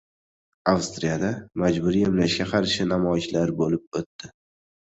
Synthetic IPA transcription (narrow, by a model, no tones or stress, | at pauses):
awst̪ɾijad̪amad͡ʒbʊɾijemlaʃɡʲaqʰɑɾʃɪnamɒɪʃlaɾbolɪp̚ot̪ːɪ